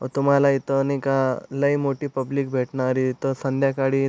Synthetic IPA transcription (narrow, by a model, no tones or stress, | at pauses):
ɔ̰t̪um̤alait̪ənekaləjmoʈiːpɐbliːk̚bʱeʈnaɾit̪əsə̃nd̪ʱjakaɽi